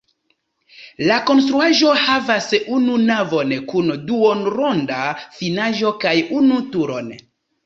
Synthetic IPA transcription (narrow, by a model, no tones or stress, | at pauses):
lako̞nstɾuaʒo̞havasununavo̞nkunduonɾo̞ndafinaʒokajunutuɾo̞̰n